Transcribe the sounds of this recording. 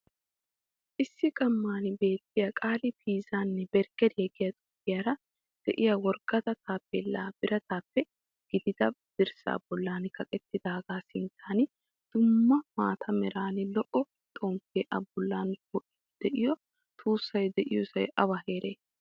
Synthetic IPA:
ʔɪsːɪɡʼɐmːaːnɪbe̞ːt̪ːɪjɐkʼaːlɪpʰiːzaːnːɛbɛɾɡɛd̪hɛɡɪjɐt̪ʼʊpːɪjaɾɐ | d̪̥ɛʔɪjɐwɔɾɡ̥ɐt̪ɐt̪aːpːɛlːaːb̥ɪɾɐt̪aːpːɛ | ɡ̥ɪd̪ɪd̪ɐbd̪̥ɪɾsa̰ːbɔlːaːnkɐkʼɛt̪ːɪd̪aːɡaːsɪnt̪ʰaːnɪ | d̪̥ʊmːɐmaːt̪ʰɐmɛɾaːnɪlɔʔɔ | t̪ʼoːmpeːʔɐbːʊlːaːnbɔʔɪ̥ | d̪̥ɛʔɪjɔ | t̪ʰʼuːsːɐjd̪ɛʔɪjusɐjɐbɐɦe̞ːɾeː

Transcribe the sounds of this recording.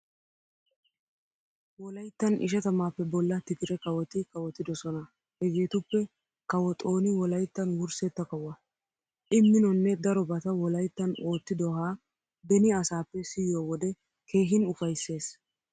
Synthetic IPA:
wɔlɐjt̪ːɐnɪ̰ʃɛt̪ɐmaːpːɛbɔlːɐt̪ɪkɪɾɛkɐwɔt̪ɪkɐwɔt̪ːɪd̪ɔsɔnɐ | hɛɡeːt̪ʊpːɛ | kɐwɔt̪ʼo̞ːnɪwɔlɐjt̪ːɐnwʊɾsɛt̪ːɐkɐwɐ | ʔɪmːɪnɔnːɛd̪ɐɾɔbɐt̪ɐwɔlɐjt̪ːɐno̞ːt̪ːɪd̪ɔhaː | bɛnɪɐsaːpːɛsɪjoːwɔd̪ɛ | kʰe̞ːɦɪnʊfɐjsːe̞ːs

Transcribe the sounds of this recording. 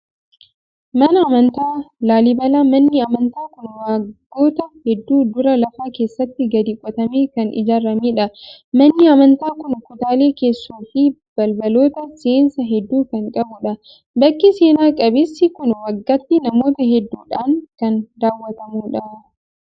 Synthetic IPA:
mɐnɐːmɐnt̪aːlaːlɪbɐlɐmɐnːɪɐmɐnt̪aːkʊnwaːɡːo̞ːt̪ɐhɛd̪ːuːd̪ʊɾɐlɐfaːke̞ːsːɐt̪ːɪɡɐd̪ikʼɔt̪ɐmeːkɐnɪ̰d͡ʒaːrːɐmeːᶑɐmɐnːɪɐmɐnt̪aːkʊnkʊt̪aːleːke̞ːsːuːfib̥ɐlbɐlo̞ːt̪ɐseːnsɐɦɛd̪ːuːkɐŋkʼɐbʊᶑɐ | bɐkːɪseːnaːkʼɐbɪsːɪkʊnwɐɡːɐt̪ːɪnɐmo̞ːt̪ɐɦɛd̪ːuːᶑaːŋkɐnd̪aːwːɐt̪ɐmuːᶑɐ

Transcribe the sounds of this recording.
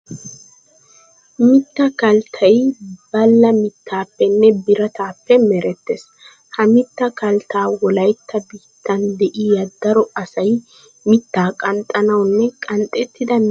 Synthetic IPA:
mɪt̪ːɐkɐlt̪ʰɐjbɐlːɐmɪt̪ːaːpːɛnːɛbɪɾɐt̪aːpːɛmɛɾɛt̪ːes | hɐmɪt̪ːɐkɐlt̪aːwɔlɐjt̪ʰːɐbiːt̪ːɐnd̪ɛʔɪjɐd̪ːɐɾɔɐsɐj | mɪt̪ːaːkʼɐnt̪ʼːɐnɐwnːɛkʼɐnt̪ʼːɛt̪ːɪd̪ɐ

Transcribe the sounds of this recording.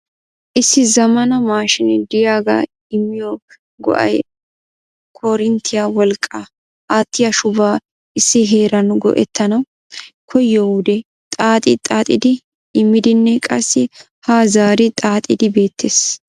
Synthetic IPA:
ʔɪsːɪzɐmɐnɐmaːʃɪnd̪ɪjaːɡɐ̰ | ɪmːɪjɔ | ɡɔ̰ʔɐ̰j | kʰɔɾɪnt̪ʰːɪjawɔlkʼːa | aːt̪ːɪjɐʃʊbaː | ʔɪsːɪɦe̞ːɾɐnɡɔ̰ʔɛ̰t̪ʰːɐnɐw | kʰɔjːɔwʊd̪ɛ | t̪ʼaːt̪ʼɪt̪ʼaːt̪ʼɪ̰d̪ɪ | ɪmːɪd̪ɪnːɛkʼɐsːɪ | haːzaːɾɪt̪ʼaːt̪ʼɪd̪ɪbe̞ːt̪ʰːeːs

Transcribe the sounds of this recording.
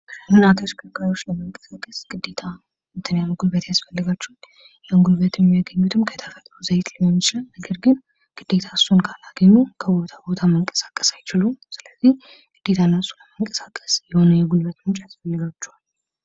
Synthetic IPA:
kʰɨnːat̪ʰəʃkʰʼəkʼajo̞t͡ʃːləməŋkʼə̥sakʼːəsɡ̥ɨd̪ːe̞t̪ʰa | mɨt̪ʰənjamuɡulbət̪jasfəlːɨɡat͡ʃːɛwal | jaŋɡulbət̪ʰjɛmːijaɡəɲːut̪ʰɨmkʰət̪ʰəfət̪ʼɾuzəjt̪ʰlɨɛmːɨt͡ʃɪlanəɡəɾɡɨn | ɡ̥ɨd̪ːe̞t̪ʰasunkʰalaɡəɲːukʰəbo̞t̪ʰabo̞t̪ʰaməŋkʼə̥sḁkʼːə̥sajt͡ʃɪlusɨləzːih | ɡ̥ɨd̪̥ːe̞t̪ʰanːəsʼuləməŋkʼə̥sḁkʼːə̥sjɛho̞nəjɛɡulβət̪mt͡ʃːjasfəlːɨɡat͡ʃːɛwal

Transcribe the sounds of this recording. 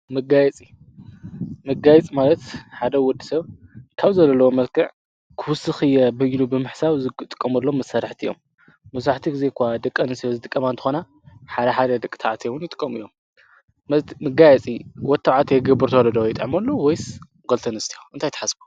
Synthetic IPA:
mɨɡajɛt͡sʼi | mɨɡajɛt͡sʼimalɐt̪ħad̪ɐwɔd̪isɐβkʰaβzɐlɐlːɐwomɐlkʰɨʕ | kʰɨwʊsɨxɨjɛbɐjilubɨmɨħsawzɨt̪ʼɨ̥kʼːɐmɐlːo̞mːɐsɐɾaħt̪ʰijːo̰mː | ɐsɾaħt̪ʰiɡɨzekʷad̪ɨkʼːɐnɨst̪ʰijozɨt̪ʼɨkʼːɐmant̪ɨ̥xona | ħad̪ɐħad̪ɐd̪ɐkʼt̪ʰaʕt̪ʰewʊnjɨt̪ʼɨ̥kʼːɐmɨjːo̞m | mɐmɨɡajɛt͡sʼiwɔt̪ʰːaʕat̪ʰjɡɐbɨɾt̪ʰowɔɾɐd̪ɐwjɪt̪ʼʕmɐlːowojs | ɡolt̪ʰɐnɨst̪ʰijoʔɨnt̪ʰajt̪ʰɐ̥ħasbu̥

